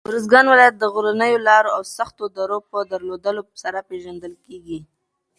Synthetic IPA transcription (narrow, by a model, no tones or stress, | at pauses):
ʊɾəs̬ɡɑnwɪlɑjat̪̚d̪əɣʊɾanəjolɑɾoawsaxt̪od̪aɾopəd̪əɾlod̪əlosaɾapeʒand̪əlkeɡi